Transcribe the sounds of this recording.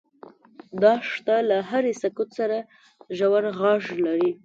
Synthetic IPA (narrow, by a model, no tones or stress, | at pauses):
d̪ɑʂt̪alaɦaɾesakʊt̪saɾa | ʒawaɾɣɑʒlaɾi